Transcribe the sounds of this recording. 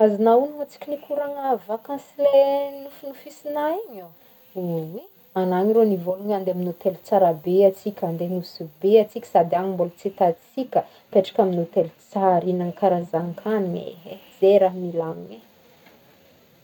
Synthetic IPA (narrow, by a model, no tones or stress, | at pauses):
azinaunuŋat͡si̥kʲinikuɾaŋavakãnsilenufunufisinaiɲo | uwi | anaɲiɾonivoluŋand̪eaminot̪elut͡saɾabeat͡sikʲand̪enusibeat͡sikʲə̥sad̪eaŋimbolt͡set̪at͡sikʲə | peʈ͡ʂḁkʲaminot̪elut͡saɾinaŋkaɾazaŋkʰaniɲḛez̥eɾaɦmilaŋiɲe